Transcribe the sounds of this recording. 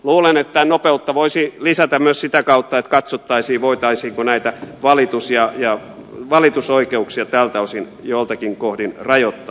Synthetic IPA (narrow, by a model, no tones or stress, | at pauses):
luːlenet̪t̪ːænopeut̪ːɑʋoisilisæt̪æmmyøssit̪ækɑut̪ːɑet̪kɑt̪sot̪ːɑisiːʋoit̪ɑisiːŋkonæit̪æʋɑlit̪usjɑjɑ | ʋɑlit̪usoikeuksiɑt̪æːlt̪æosin | joilt̪ɑkiŋkohdinrɑjot̪ːɑ